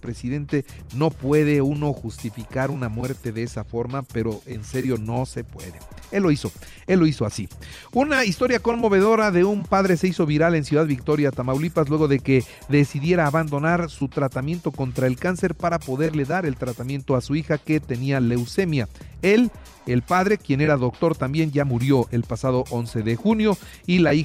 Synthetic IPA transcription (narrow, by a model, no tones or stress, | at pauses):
pɾe̞siðe̞nt̪e̞no̞pwe̞ðe̞uno̞xust̪ifikaɾunamwe̞ɾt̪e̞ðeesafo̞ɾmape̞ɾo̞e̞nse̞ɾjo̞no̞se̞pwe̞̰ðe̞̰elːo̞iso̞ | elːo̞iso̞asi | unaist̪o̞ɾjako̞nmo̞βe̞ðo̞ɾaðe̞umpaðɾe̞se̞iso̞βiɾale̞nsjuðaðβikt̪o̞ɾjat̪amawlipaslwe̞ɣ̞o̞ðe̞ke̞ | ðe̞siðje̞ɾaːβand̪o̞naɾsut̪ɾat̪amje̞nt̪o̞ko̞nt̪ɾae̞lkanse̞ɾpaɾapo̞ðe̞ɾle̞ðaɾe̞lt̪ɾat̪amjẽ̞nt̪o̞asuixake̞t̪e̞niale̞wse̞mjae̞l | e̞lpaðɾe̞kje̞ne̞ɾaðo̞kt̪o̞ɾt̪ambje̞nʝamuɾjo̞ʔe̞lpasað̞o̞ʔo̞nse̞ðexunjo̞ | ilai